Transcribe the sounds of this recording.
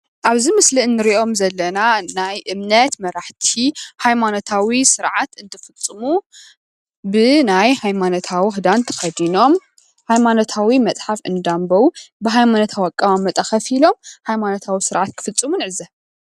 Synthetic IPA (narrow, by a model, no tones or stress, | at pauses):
ʔaβzimɨsliɨnːɨɾiʔo̞mzɐlːɐnanajʔɨmnɐt̪mɐɾaħt̪ʰihajmanot̪ʰawisɨɾʕat̪ɨnt̪ʰɨfɨt͡sʼːɨmu | bɨnajhajmanot̪ʰawiɦɨd̪ant̪ʰɐ̥xɐd̪ino̞m | hajmanot̪ʰawimɐt͡sʼħafɨnd̪ambɐwubɨɦajmanot̪ʰawakʼːɐwamːɐt̪ʼɐxɐfilo̞mhajmanot̪ʰawisɨɾʕat̪̚kʰɨ̥fɨt͡sʼːɨmunʕɨzɐ